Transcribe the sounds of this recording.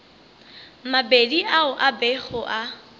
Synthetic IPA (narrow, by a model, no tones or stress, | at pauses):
mabediʔaʊʔabɛχɔʔa